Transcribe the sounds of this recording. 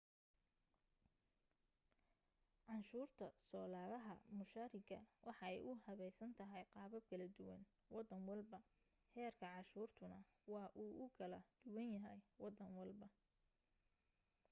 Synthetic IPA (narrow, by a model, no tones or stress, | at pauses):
ʕɑnʃuːrt̪ʰɐsɔːlaːɣɐɦɐ̰mʊʃaɾɪɡɐwʔɑħɑɛjʔʊhɐβɛjsɐnt̪ʰɐɦɛjqɑːβɐb̚kʰɐlɐd̪ʊwɐ̰n | wɑd̪ːɐŋwɑlbɐ | hɛːrkʰɐʕɑʃuːrt̪ʰʊnɐ | wɑːʔuːʔʊkʰɐlɐd̪̥ʊwɐnjɐɦɛjwɑd̪ːɐnwɑlbɐ